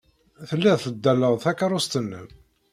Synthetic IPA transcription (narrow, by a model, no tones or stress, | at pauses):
θəlːiðθəd̪ːælːəʁθækːɑɾˤust̪ənːəm